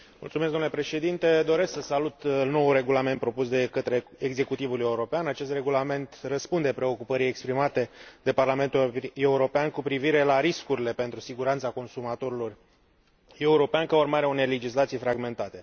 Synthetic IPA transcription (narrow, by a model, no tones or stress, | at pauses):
mult̪sumesɡd̪omnulepɾe̞ʃe̞d̪int̪e̞d̪o̞ɾe̞sksəsalut̪lno̞wure̞ɡulament̪̚pɾo̞pusd̪e̞kət̪ɾe̞eɡze̞kut̪ivule̞uɾo̞peanat͡ʃe̞st̪re̞ɡulame̞nt̪rəspund̪e̞pɾe̞o̞kupəɾie̞kspɾimat̪e̞d̪e̞parlame̞nt̪ue̞uɾo̞peankupɾiviɾe̞laɾiskuɾile̞pe̞nt̪ɾusiɡuɾant̪sako̞nsumat̪o̞ɾilo̞r | e̞uɾo̞peankəormaɾeunele̞d͡ʒislat̪sijfɾaɡme̞nt̪at̪e̞